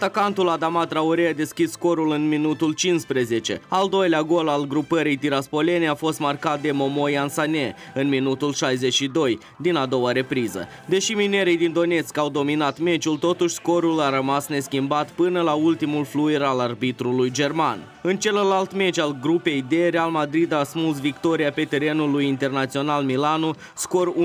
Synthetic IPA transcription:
at̪akant̪ulad̪amat̪ɾauɾead̪e̞skʲissko̞ɾulɨnminut̪ult͡ʃinspɾe̞ze̞t͡ʃe̞̰ald̪o̞jleaɡo̞lalɡɾupəɾijt̪iɾaspo̞le̞neafo̞st̪markat̪̚d̪e̞mo̞mo̞jansanʲe̞ | ɨnminut̪ulʃajze̞ʃid̪o̞j | d̪inad̪o̞waɾe̞pɾizə̰ | d̪e̞ʃimine̞ɾijd̪ind̪o̞ne̞skawd̪o̞minat̪me̞t͡ʃult̪o̞t̪uʃʲsko̞ɾulaɾəmasne̞skʲimbat̪pɨnəlault̪imulflueɾalarbit̪ɾulujd͡ʒe̞rma̰n | ɨnt͡ʃe̞llalt̪me̞t͡ʃalɡɾupe̞jd̪e̞ɾealmad̪ɾid̪asmus̬vikt̪o̞ɾijape̞t̪e̞ɾe̞nulujint̪e̞rnat̪sio̞nalmilanu | sko̞ɾu

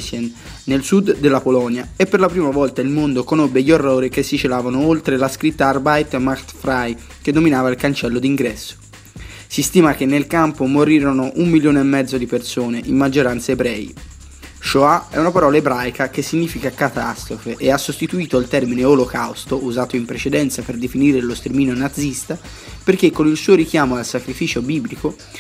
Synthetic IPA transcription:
sɛn | nelsud̪ːelːapolɔnjaepːerlapɾiːmavɔlt̪ailmond̪okonobːeʎierːoːɾik̟esːit͡ʃelaːvanoolt̪ɾelaskɾit̪ːaːrbajt̪makt̪fɾaj | ked̪ːominaːvailkant͡ʃɛlːod̪iŋɡɾɛsːo̥ | sist̪iːmak̟enːelkampomoɾiːɾonoʔumːiljoːneemːɛd̪zːod̪ipersoːneʔimːad͡ʒːoɾant̪saebɾɛ̰ːḭ | ʃoaɛ̰unapaɾɔːlaebɾajkak̟esːiɲːiːfikakat̪a̰st̪ɾofeʔeasːost̪it̪uiːt̪oalt̪ɛrmineolokawst̪oʔuzaːt̪oimpɾet͡ʃed̪ɛnt̪saperd̪efiniːɾelost̪ermiːnonad̪zːist̪a | perk̟ekːonilsuːoɾik̟jaːmoalsakɾifiːt͡ʃobiːbliko

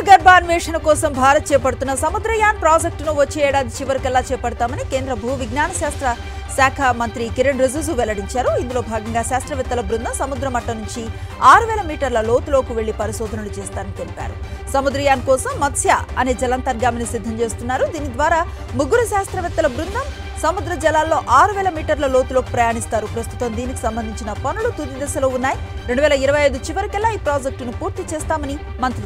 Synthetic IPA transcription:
ɡɐɾbʱaːnʋɛːʂɐnɐkɔːsɐmbʱaːɾɐt̪̚t͡ʃɛːpɐɽt̪unːɐsɐmud̪ɾɐjaːnpɾaːd͡ʒek̚ʈnuʋɐt͡ʃːeːɛːɽaːd̪ʱit͡ʃiʋɐɾikɛlːaːt͡ʃɛːpɐɽut̪aːmɐnike̞ːnd̪ɾɐbʱuːʋiɡnaːɳɐʃaːst̪ɾɐ | saːkʰɐmɐnt̪ɾikiɾeɳɾed͡ʒuzuʋɛlɐɽiɲt͡ʃaːɾuind̪ulo̞ːbʱaːɡɐŋɡaːʃaːst̪ɾɐʋɛt̪ːɐlɐbɾunːɐsɐmud̪ɾɐmɐʈːɐnuɲt͡ʃi | aːɾuʋɛːlɐmiːʈɐɾlɐlo̞ːt̪ulo̞ːkuʋe̞ɭːipɐɾiʃɔːd̪ʱɐnulut͡ʃeːst̪aːɾɐnit̪elipa̰ːɾṵsɐmud̪ɾɐjaːnkɔːsɐmːɐt̪sʰjaːɐneːd͡ʒɐlɐnt̪ɐɾɡaːmɐnisid̪ʱːɐmt͡ʃe̞ːst̪unːaːɾud̪iːnid̪ʋaːɾaː | muɡːuɾuʃaːst̪ɾɐʋɛt̪ːɐlɐbɾund̪ʱɐm | sɐmud̪ɾɐd͡ʒɐlaːlːo̞ːʔaːɾuʋɛːlɐmiːʈɐɾlɐlo̞ːt̪ulo̞ːku̥pɾɐjaːɳist̪aːɾupɾɐst̪u̥t̪ɐmd̪iːniki̥sɐmbɐnd̪ʱiɲt͡ʃinɐpɐnulut̪ud̪id̪ɐsɐloːunːaːjiɾeɳɖuʋɛːlɐiɾɐʋɐjɐjd̪ut͡ʃiʋɐɾikɛlːaːiːpɾaːd͡ʒek̚ʈnupuːɾt̪it͡ʃɛːst̪aːmɐni | mɐnt̪ɾu

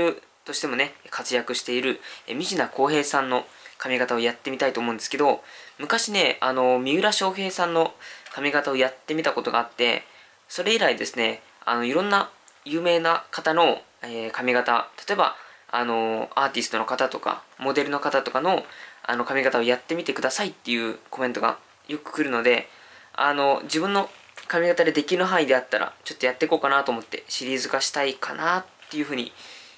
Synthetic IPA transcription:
ɯ | t̪o̞ɕi̥t̪e̞mo̞ne̞kat͡sɨjakɯ̟ɕi̥t̪e̞iɾɯ̟emʲiʑinako̞ːɦe̞ːsãnːo̞ | kamʲiɡat̪ao̞jat̪ːe̞mʲit̪ait̪o̞ːmo̞ɯ̃nd̪e̞sɨ̥ked̪o̞mɯ̟kaɕine̞ano̞mʲiɯ̟ɾaɕo̞ːɦe̞ːsãnːo̞kamʲiɡat̪ao̞jat̪ːe̞mʲit̪ako̞t̪o̞ɡa̰ːat̪ːe̞̰ | so̞ɾe̞iɾaid̪e̞sɨne̞ | a̰no̞iɾõ̞nːajɯ̟ːme̞ːnakat̪ano̞ | ekamʲiɡat̪at̪ḁt̪o̞e̞ba̰ano̞aːt̪ʲisɨ̥t̪o̞no̞kat̪at̪o̞ka̰mo̞d̪e̞ɾɯ̟no̞kat̪at̪o̞kano̞a̰no̞kamʲiɡat̪ao̞jat̪ːe̞mʲit̪e̞kɯ̟d̪asait̪ːe̞jɯ̟ːko̞mẽ̞nt̪o̞ɡa̰ | jo̞kɯ̟̥kɯ̟ɾɯ̟no̞d̪e̞ | a̰no̞d͡ʑibɯ̟̃nːo̞ | kamʲiɡat̪ad̪e̞d̪e̞kʲiɾɯ̟ɦãid̪e̞at̪ːaɾʔa̰t͡ɕo̞t̪ːo̞jat̪ːe̞koːkanat̪oːmo̞t̪ːe̞̰ɕiɾʲiːzɨɡaɕi̥t̪aikʰa̰nat̪ːe̞jɯ̟ɸɯ̟ːɲ̟i

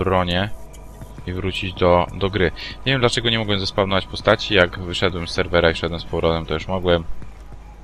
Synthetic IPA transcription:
bɾɔɲɛ | ivɾut͡ɕid͡ʑd̪ɔd̪ɔɡɾɘɲeɛvʲjɛmd̪lat͡ʂɛɡɔɲɛmɔɡwɛmzaspalnɔvat͡ɕpɔst̪at͡ɕijaɡvɘʂɛd̪wɛmsːɛɾvɛɾaiʂɛd̪wɛmspɔwɾɔt̪ɛmt̪ɔjuʂmɔɡwɛm

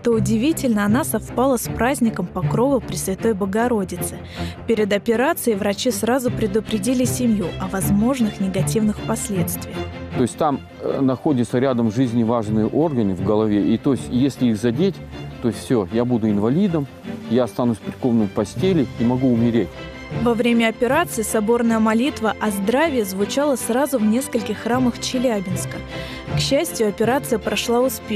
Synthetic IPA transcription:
t̪o̞ʊdʲɪvʲitʲɪlʲnəɐnasɐfpalˠəspɾazʲnʲɪkəmpɐkɾo̞vəpɾʲɪsvʲɪt̪o̞jbəɡɐɾo̞dʲɪt̪sɨ | pʲeɾʲɪd̪ɐpʲɪɾat̪sɨɪvɾɐt͡ɕisɾazʊpɾʲɪd̪ʊpɾʲɪdʲilʲɪsʲɪmjuɐvɐzmo̞ʐnɨxnʲɪɡɐtʲivnɨxpɐsʲlʲe̞t̪st̪vʲɪjxt̪o̞ɪsʲtʲt̪am | nɐxo̞dʲɪt̪səɾʲad̪əmʐɨzʲnʲɪvaʐnɨjəʔo̞rɡənɨvɡəlˠɐvʲeʔit̪o̞sʲtʲjesʲlʲɪixzɐdʲetʲt̪osʲfsʲojabud̪ʊɪnvɐlʲid̪əm | jaɐst̪anusʲpʲɪrʲko̞vnɨmpɐsʲtʲelʲɪimɐɡuʊmʲɪɾʲetʲ | vɐvɾʲemʲəɐpʲɪɾat̪sɨɪsɐbo̞rnəjəmɐlʲit̪vəʔɐzd̪ɾavʲɪjɪzvʊt͡ɕalˠəsrazʊvnʲe̞skəlʲkʲɪxːraməxt͡ɕɪlʲæbʲɪnskə | kɕːæsʲtʲjʊɐpʲɪɾat̪sɨjəpɾɐʂlˠaʊspʲex

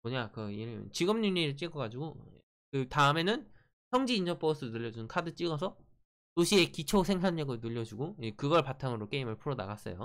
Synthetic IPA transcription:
moɲakɯiɾm̰nt͡ɕiɡʌmɲuɲiɾɯɭt͡ɕ͈iɡʌɡad͡ʑiɡo | kɯtaɯme̞nɯn | sʰʌŋd͡ʑiːnd͡ʑʰʌp͈ʌs͈ʰɯnɯʎːʌd͡ʑunkʰadɯt͡ɕ͈iɡʌs̬ʰʌ | toɕʰie̞kit͡ɕʰosʰeŋsʰanːʌɡɯɭnuʎːʌd͡ʑuɡoekɯɡʌɭpatʰaŋɯɾok͈e̞imɯɭpʰuɾona̰ɡas͈ʌ̰jo̰

